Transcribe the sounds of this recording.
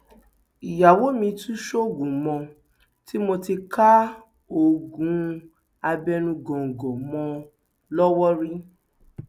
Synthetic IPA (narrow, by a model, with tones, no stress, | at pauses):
i˨ja˨wo˨˦mĩ˧tũ˦ʃo˦˨ɡũ˨mɔ̃˧ | ti˦mo˧ti˧ka˦ | o˨ɡũ˨˦ | a˧bɛ˧nũ˧ɡɔ̃˨ŋ̩˨ɡɔ̃˨mɔ̃˧ | lɔ˦wɔ˦ɾi˦